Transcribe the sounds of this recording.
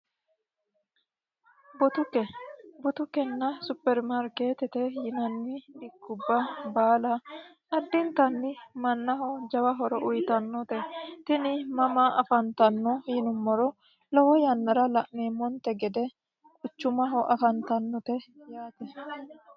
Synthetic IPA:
bɔt̪ʊkɛbɔt̪ʊkɛnːɐsʊpːɛɾmɐɾkeːt̪ɛt̪ɛjɪnɐnːɪd̪ɪkːʊbːɐbaːlɐ | ɐd̪ːɪnt̪ɐnːɪmɐnːɐɦɔd͡ʒɐwɐɦɔɾɔʔʊjt̪ɐnːɔt̪ɛt̪ɪnɪmɐmaʔɐfɐnt̪ɐnːɔhɪnʊmːɔɾɔ | lɔwɔjɐnːɐɾɐlɐʔneːmːɔnt̪ɛɡɛd̪ɛ | kʼʊt͡ʃːʊmɐɦɔʔɐfɐnt̪ɐnːɔt̪ɛjaːt̪ɛ

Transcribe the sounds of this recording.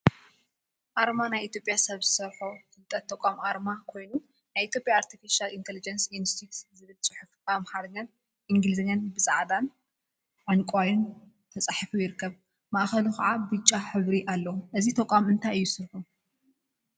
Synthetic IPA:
ʔaɾmanajʔit̪ʰjo̞pʼjasɐβzɨsɐɾħofɨlt̪ʼɐt̪ʰːɐkʼamʔaɾmakʰo̞jnu | najʔit̪ʰjo̞pʼjaːɾt̪ʰifiʃalint̪ʰelid͡ʒɐnsjunst̪ʰit̪zɨβɨlt͡sʼɨħufamhaɾɡan | ʔiŋɡɨlɨzɐɲːanbɨsʼaʕd̪an | ʔaŋkʼwajun | t̪ʰɐt͡sʼaħifujɪɾɨkʰːɐβ | maʔxɐlukʰa̰ʕabɨt͡ʃʼːaħɨβɾiʔalːɐwʔɨzit̪ʰɐkʷʼamɨnt̪ʰajɨjːusɨɾħu

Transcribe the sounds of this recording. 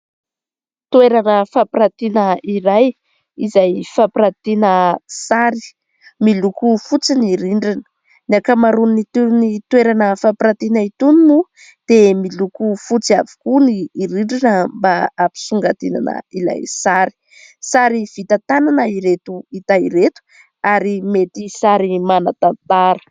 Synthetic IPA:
t̪ueɾanəfapɾat̪inəiɾaj | izajfapiɾat̪inəsaɾi̥ | milukufut͡siniɾiɳɖ͡ʐinə̥ | niakamaɾunnit̪unit̪weɾanəfapiɾat̪inait̪uninu | d̪̥emilukufut͡siavi̥kuniːɾiɳɖ͡ʐinəmbaːpi̥suŋɡat̪ina̰nə̰ila̰jsaɾi̥ | saɾiv̥it̪at̪ananəiɾet̪uit̪aiɾet̪u̥ | aɾimet̪isaɾimanat̪ant̪aɾə̥

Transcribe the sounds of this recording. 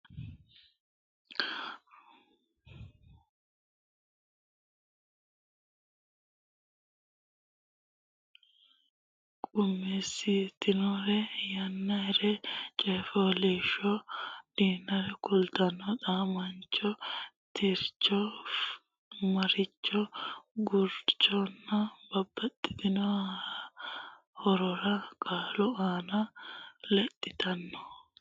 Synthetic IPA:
kʼʊmːɛsit̪ːɪnɔɾɛjɐnːɐɛɾɛt͡ʃʼɛːfɔleːʃɔd̪̥iːnːɐɾɛkʊlt̪ɐnːɔt̪aːmɐnt͡ʃːɔt̪ʰɪɾt͡ʃːɔ | mɐɾɪt͡ʃːɔɡʊɾt͡ʃːɔnːɐbɐbːɐt̪ʼːɪ̥d̪ɪnɔ | hɔɾɔɾɐkʼaːlɔaːnɐlɛt̪ʼːɪt̪ɐnːɔ̥

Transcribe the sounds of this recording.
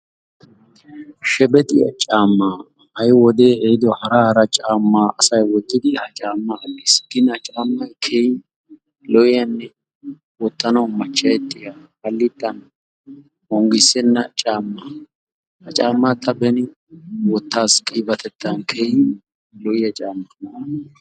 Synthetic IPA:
ʃɛbɛt̪ʼɪjɐ̰t͡ʃʼaːmːaː | hɐjwɔd̪e̞ːɛɪd̪ɔhɐɾɐhɐɾɐt͡ʃʼaːmːaːɐsɐjwɔt̪ːɪd̪ɪhɐt͡ʃʼaːmːɐʔɐɡːɪsɡɪnɐt͡ʃʼaːmːɐjkʰejɪ | lɔʔɪjɐnːɛ | wɔt̪ːɐnɐwmɐt͡ʃːɐjɛt̪ʼːɪja | hɐlːɪt̪ʼːɐn | hɔŋɡɪsɛnːɐt͡ʃʼaːmːa | hɐt͡ʃʼaːmːat̪ʰːɐbɛnɪ | wɔt̪ːaːskʼiːbɐt̪ʰɛt̪ʰːɐnkʰejɪ | lɔʔɪjɐt͡ʃʼaːmːɐm

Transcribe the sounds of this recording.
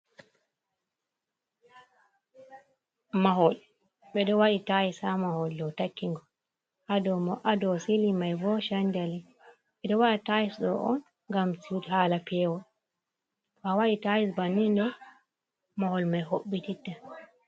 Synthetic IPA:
maɦɔl | ɓɛɗɔwaɗitajisamahɔldɔtakːiŋɡɔ | hadɔmɔʔadɔsilimajvɔʃaɲd͡ʒali | ɓɛdɔwaɗatajisɗɔʔɔ̰n | ŋɡamsiudhaːlapɛwɔ | bawaɗitajisbanːindɛ | mahɔlmajhoɓːititːa

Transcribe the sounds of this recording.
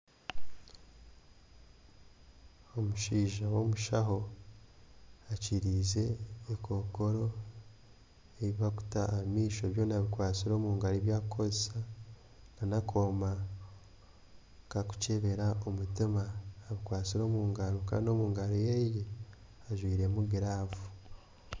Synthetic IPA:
omuʃiːʒawo̞muʃaɦo̞ | aciɾiːze̞ːkʰo̞ko̞ɾo̞ | eβiβaku̥taːmiːʃo̞βjo̞ːnaβikwaːt͡siɾo̞ːmuːŋɡaɾiβjaːkʰozesa | nanakʰoːma | kaku̥ce̞βe̞ɾaomutimaːβikwaːt͡siɾo̞ːmuːŋɡaɾoka̰ːndo̞ːmuːŋɡaɾojeiji | aʒwiːɾe̞muɡiɾaːvu

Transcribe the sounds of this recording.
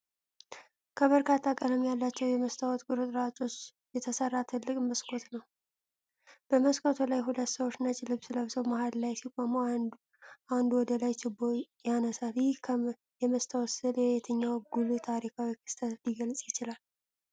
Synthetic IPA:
kʰəβəɾkʰat̪ʰːakʼələmjalːat͡ʃːɛwjɛməst̪ʰawɔt̪ɡʼɨɾɨt̪ʼɾat͡ʃʼo̞t͡ʃː | jɛt̪ʰəsərːat̪ʰɨlːɨkʼməskʰo̞t̪nəw | b̥əməskʰʼot̪ʰolajɦulət̪ːsəwot͡ʃːnat͡ʃʼlɨβsləβsəwmahallajsikʷʼomo | ʔand̪uwɔd̪əlajt͡ʃɪbːojanəsaljɪhkʰ | jɛməst̪ʰawɔsɨljɛet̪ʰəɲːawɡulut̪ʰaɾikʰawikʰɨ̥st̪ʰət̪liɡəlt͡sʼjɪt͡ʃɪlal

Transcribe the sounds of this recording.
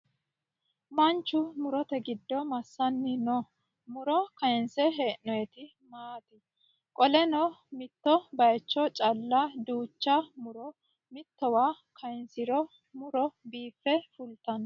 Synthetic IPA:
mɐnt͡ʃːʊmʊɾɔt̪ɛɡɪd̪ːɔmɐsːɐnːɪnɔ | mʊɾɔkɐjɪnsɛɦeːʔnɔjɛt̪ɪ | maːt̪ɪ | kʼɔlɛnɔmɪt̪ːɔbɐjt͡ʃːɔt͡ʃʼɐlːad̪uːt͡ʃːɐmʊɾɔ | mɪt̪ːɔwaː | kʰɐjɪnsɪɾɔ | mʊɾɔbiːfːɛfʊlt̪ɐn

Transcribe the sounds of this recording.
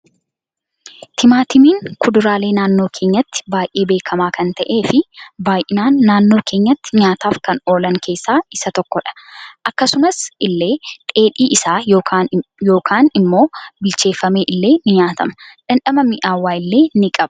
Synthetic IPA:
t̪ʰɪmaːt̪ɪmiːŋkʰʊd̪ʊɾaːle̞ːnaːnːoːkʰe̞ːɲːɐt̪ːɪ̥baːjʔe̞ːbe̞ːkʰɐmaːkɐnt̪ɐʔe̞ːfɪbaːjʔɪnaːnːaːnːo̞ːkʰe̞ːɲːɐt̪ːɪ̥ɲaːt̪aːfkɐno̞ːlɐŋkʰe̞ːsːaːɪsɐt̪ɔkːɔᶑɐ̥ʔɐkːɐsʊmɐsɪlːe̞ːkʼe̞ːᶑiːʔɪsaː | jo̞ːkʰaːnɪmːo̞ːbɪlt͡ʃe̞ːfːɐme̞ːʔɪlːe̞ːnɪɲaːt̪ɐmɐᶑɐnᶑɐmɐmɪʔaːwːaːɪlːe̞ːnɪkʼɐb̥

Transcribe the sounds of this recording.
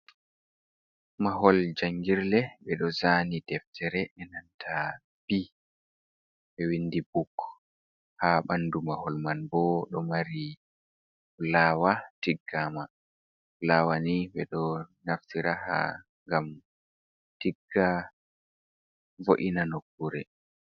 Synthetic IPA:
maɦɔld͡ʒaŋɡiɾlɛɓɛɗɔzanidɛftʰɛɾɛʔɛnantʰa | b̥i | ɓɛwindibukː | haɓandumahɔlmanbɔɗɔmaɾi | lawatiɡːama | lawaniɓɛɗɔnaftiɾaha̰ | ŋɡam | tiɡːa | voʔinanokːuɾɛ

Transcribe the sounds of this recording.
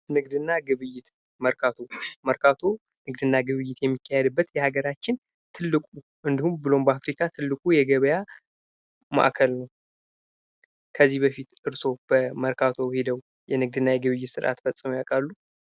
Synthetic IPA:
nɨɡd̪ɨnːaɡɨβɨjːɪt̪ | məɾkʰat̪ʰoməɾkʰat̪ʰo | nɨɡd̪ɨnːaɡɨβɨjːɪt̪jɛmːikʰːahɛd̪ɨbːət̪jɛhaɡəɾat͡ʃːɪn | t̪ʰɨlːɨkʼu | ʔɨnd̪ihumbɨlo̞mbəafɾikʰat̪ʰɨlːɨkʼujɛɡəβəja | ma̰ʔkʰəlnəw | kʰəzːihbəfit̪ɨɾso̞b̥əməɾkʰat̪ʰo̞hed̪əw | jɛnɨɡ̚d̪ɨnːajɛɡɨβɨjːɪt̪sɨɾʔa̰t̪fəsʼːmjakʼalːu

